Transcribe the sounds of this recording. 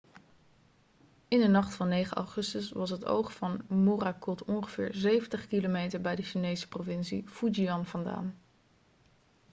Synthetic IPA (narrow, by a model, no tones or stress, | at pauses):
ɪndənɑχtfɑnːejχəɑ̰wχɵstəsʋɑsɦəto̰wχfɑnmorakɔtɔnχəv̥ɪ̰ːɹzejvəntəχkilomejtəɹbɛjdəʃinejsə̥provɪnsḭfud͡ʒiɑnvɑnda̰ːn